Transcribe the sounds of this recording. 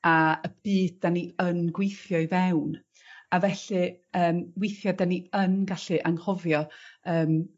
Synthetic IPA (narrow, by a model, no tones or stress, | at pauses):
aəb̥iːddaniənɡwejθjɔɨvɛwn | avɛɬɨəːmwɪjθjɔdaniənɡaɬɨʔaŋhɔvjɔəːm